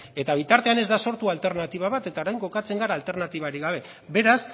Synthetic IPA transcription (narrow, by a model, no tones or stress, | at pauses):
e̞t̪aβ̞it̪aɾt̪e̞ane̞zd̪aso̞ɾt̪ualt̪e̞ɾnat̪iβ̞aβat̪e̞t̪aoɾajŋko̞kat͡se̞ŋɡaɾaːlt̪e̞ɾnat̪iβ̞aɾiɣaβ̞e̞ | be̞ɾas